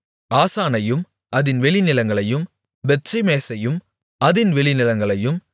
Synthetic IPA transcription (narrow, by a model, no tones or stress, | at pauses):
aːsaːnɐjɯm | ʔɐðɪnʋɛɭɪnɪlɐŋɡɐɭɐjɯm | ʋɛt͡ʃːɪmeːsɐjɯm | ɐðɪnʋɛɭɪnɪlɐŋɡɐɭɐjɯm